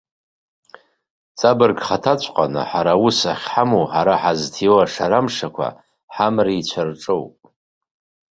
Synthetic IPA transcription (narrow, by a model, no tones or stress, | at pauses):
t͡sʼabɨrɡχatʰat͡ɕʷʰʼqʼa̰nɨ̰ħaɾausaχʲħamowħaɾaħaztʰiwaʂaɾamʂakʷa̰ | ħamriit͡ɕʷʰarʈ͡ʂʼowpʼ